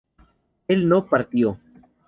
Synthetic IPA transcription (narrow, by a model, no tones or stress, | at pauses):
ɪlnõːpəɾt̪ijoː